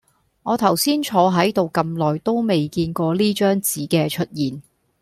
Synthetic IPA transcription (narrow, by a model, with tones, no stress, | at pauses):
ŋɔː˨˧t̪ʰɐ˨˩wsiː˥nt͡ʃʰɔː˨˧ɦɐ˨˥jt̪o˨wkɐ˧mlɔː˨˩jt̪o˥wme˨jkiː˧nkʷɔː˧liː˥t͡ʃœː˥ŋt͡siː˨˥kɛː˧t͡ʃʰɵ˥t̚jiː˨˩n